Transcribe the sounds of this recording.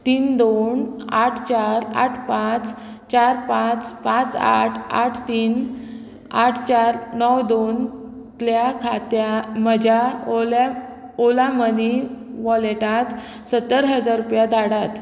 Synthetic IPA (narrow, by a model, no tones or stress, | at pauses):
t̪iːnd̪onaʈʰt͡ɕaɾa̰ʈʰpãt͡s | t͡ɕaɾpãt͡spãt͡sa̰ʈʰa̰ʈʰt̪iːn | aʈʰt͡ɕaɾnɔwd̪on | t̪ljakʰat̪jaməd͡ʑʱjal | olaməniʋɔleʈat̪ | sət̪ːəɾɦəd͡zaɾupjad̪ʱaɽat̪